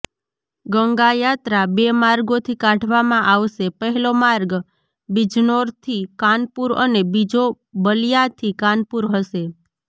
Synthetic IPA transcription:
ɡəŋɡajat̪ɾabemaɾɡot̪ʰikãʈʰʋamãʔaʋʃepəɦɛlomaɾɡ | bid͡ʒnoɾt̪ʰikanpuɾənebid͡ʒo | bəlijat̪ʰikãnpuɾɦəʃe

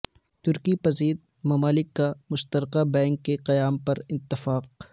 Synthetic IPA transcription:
t̪ʊɾkipɐziːd̪̚ | mɐmaːlɪkːamʊʃt̪əɾqabɛ̃ːŋkːeqɐjaːmpɐɾɪt̪ːɪfaːq̚

